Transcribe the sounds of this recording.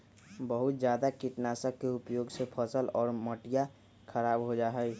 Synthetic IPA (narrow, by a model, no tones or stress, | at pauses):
bəɦʊt̪̚d͡ʒjaːd̪akiʈnasəkːeʊpjoːɡsepʰəsəlɔːɾməʈija | kʰəɾaːbɦod͡ʒaɦɛj